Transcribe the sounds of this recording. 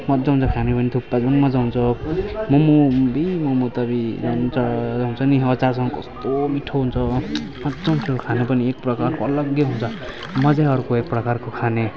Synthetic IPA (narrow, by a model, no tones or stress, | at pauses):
mʌt̪d͡zʌɦunt͡sʰʌkʰanepʌnit̪ʰupːad͡zʌnmʌd͡zaɦunt͡sʰʌmʌmubimomut̪ʌbid͡zʌnt͡sʌaɦunt͡sʰʌniʌt͡sas̬ʌŋɡkʌ̰st̪omiʈʰoɦunt͡sʰʌ | mʌt̪d͡zʌnpʰelkʰanepʌniek̚prʌkarkoʌlʌɡjʌɦunt͡sʰʌ | mʌd͡zaʌɾukoek̚prʌkarkokʰane